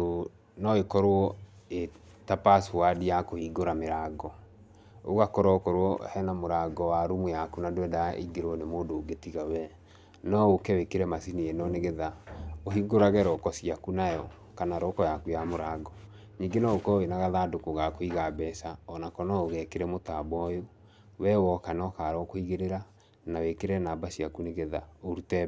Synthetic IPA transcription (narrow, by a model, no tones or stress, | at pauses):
o | nɔekɔɾwɔe | tapasuwadijakohiɡoɾameɾaɡɔ | oɣakɔɾɔkɔɾwɔhɛnamoɾaɡɔwaɾumujakunadwɛdaḭɡeɾɔnemoːdoːɡetiɣawɛ | nɔokɛwekeɾɛmasiniɛnɔneɣeðaoɦiɡoɾaɣɛɾɔkɔsiakunajɔ | kanaɾɔkɔjakujamoɾaɡɔ | ɲiːɡenɔokɔenaɣaðaːdokoɣakoiɣabɛsaɔnakɔnɔoɣɛkeɾɛmotabɔjo | wɛwɔkanɔkaɾɔkoiɣeɾeɾa | nawekeɾɛnabasiakuneɣeðaoɾutɛ